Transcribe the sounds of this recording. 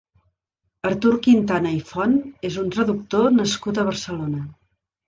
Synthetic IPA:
əɾt̪uɾkint̪anəifɔnezunt̪ɾəðuk̚t̪onəskut̪̬əβ̞əɾsəlonə

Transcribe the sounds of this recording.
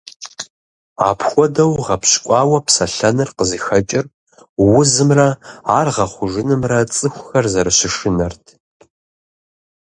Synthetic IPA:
a̰ːpʰxʷɔdɐwʁɐpɕkʷʼɑːwɐpʰsɐɬɐnɨrqəzixɐt͡ʃʼɪr | wʊzɨmrɐaːrʁɐχʷʊʒɨnɨmrɐt͡sʼɨxʷʊxɐrzɐɾɨɕɪʂɨnɐrtʰ

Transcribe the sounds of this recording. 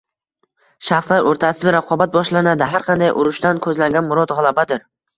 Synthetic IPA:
ʃaχslaɾʔoɾt̪ʰasɪd̪aɾaqʰɒbat̪̚bɒʃlanad̪ɪɦaɾqʰɑnd̪ajʔʊɾʊʃt̪ankʰɵzlaŋɡʲanmʊɾɒd̪ʁɑlˠabad̪ɪɾ

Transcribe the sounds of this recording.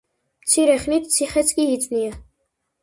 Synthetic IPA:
mt̪sʰiɾɛχnit̪ʰt̪sʰiχɛt̪sʰkʼiːt̪sʼnia

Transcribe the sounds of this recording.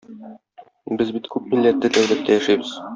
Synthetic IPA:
bɘzbit̪kʉp̚milːæt̪ːɘt̪æwlæt̪ʰːæjæʃæjbɘz̥

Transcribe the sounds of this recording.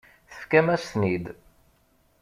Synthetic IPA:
θə̥fkæmæst̪nid̪

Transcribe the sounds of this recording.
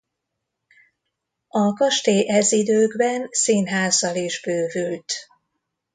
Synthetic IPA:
ɒkɒʃt̪eːʔɛzid̪øːɡbɛnsiːnɦaːzɒliʒbøːvylt̪

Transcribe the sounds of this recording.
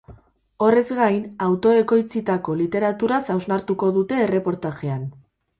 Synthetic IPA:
o̞re̞zɡajnawt̪o̞e̞ko̞jt͡sit̪ako̞lit̪e̞ɾat̪uɾasawznaɾt̪uko̞ðut̪e̞ːre̞po̞ɾt̪aʝe̞an

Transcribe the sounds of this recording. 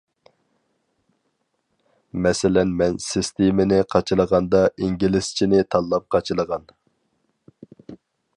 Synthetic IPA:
mɛsɪlɛnmɛnsɪst̪emɪnɪqʰɑt͡ʃʰɨlˠəʁɑnd̪ɑʔiŋɡʲilɪst͡ʃʰinɪt̪ʰɑlˠːɑp̚qʰɑt͡ʃʰɨlˠəʁɑn

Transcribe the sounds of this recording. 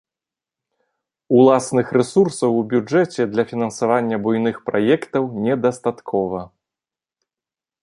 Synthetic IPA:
ulˠasnɨxrɛsursɐwubʲud͡ʐɛt͡sʲɛd̪lʲɐfʲinɐnsavanʲːɐbujnɨxpɾajɛkt̪ɐwnʲɛd̪ɐst̪at̪kʰɔvɐ

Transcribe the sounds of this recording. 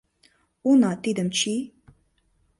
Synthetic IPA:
unat̪id̪əmt͡ʃʰi

